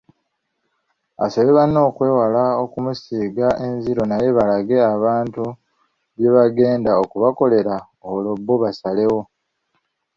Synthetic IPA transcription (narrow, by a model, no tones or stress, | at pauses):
a̰so̞βe̞βano̞ːkwe̞ːwalao̞kumusiːɡaʔe̞nziɾo̞naje̞βalaɡe̞aβaːntu | βje̞βaɡe̞ːndaokuβako̞le̞ɾa | olo̞bːoβasale̞wo̞